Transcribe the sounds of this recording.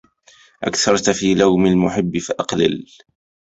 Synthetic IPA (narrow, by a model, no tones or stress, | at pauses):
ʔa̰kθɑɾˤt̪fiːlawmɪlmʊħɪbːɪfaʔɑqlɪ̰l